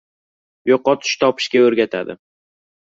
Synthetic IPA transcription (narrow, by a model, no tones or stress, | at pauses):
joqːɒt̪ʰɪ̥ʃt̪ʰɒpʰɪ̥ʃkʲaɵɾɡʲat̪ʰa̰d̪ɪ̰